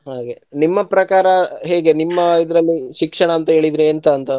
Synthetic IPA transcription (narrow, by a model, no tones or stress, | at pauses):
ɦaːɡe̞nimːɐpɾɐkaːɾɐɦeːɡe̞nimːɐid̪ɾɐlːiʃikʂɐɳɐːnt̪ɐɦe̞ːɭid̪ɾeɐnt̪ɐːnt̪ɐ